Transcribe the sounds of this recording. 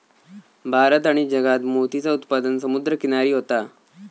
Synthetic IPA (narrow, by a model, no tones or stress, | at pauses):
bʱaɾət̪aɽ̃id͡ʑəɡat̪mot̪it͡saut̪pad̪ənsəmud̪ɾəkiñaɾiːɦot̪a